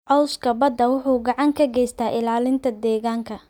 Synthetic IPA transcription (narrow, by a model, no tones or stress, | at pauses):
ʕɔwskʰɐbɐd̪ːɐwʊħuːɡɑʕɑŋkʰɐɡɛjst̪ʰaːʔɪlaːlɪnt̪ʰɐd̪ɛːɣaːŋkʰɐ